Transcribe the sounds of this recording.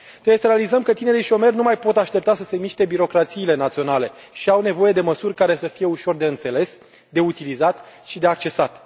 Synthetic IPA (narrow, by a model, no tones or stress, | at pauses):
t̪ɾebwjesəɾealizəmkət̪ine̞ɾiʃio̞me̞rʲnumajpo̞t̪aʃt̪e̞p̚t̪asəse̞miʃt̪e̞biɾo̞kɾat̪siːle̞nat̪sio̞nale̞ | ʃiawne̞vo̞je̞d̪e̞məsurʲkaɾe̞səfije̞uʃo̞rd̪e̞ɨnt̪se̞le̞s | d̪e̞ut̪ilizat̪ʃid̪e̞ak̚t͡ʃe̞sat̪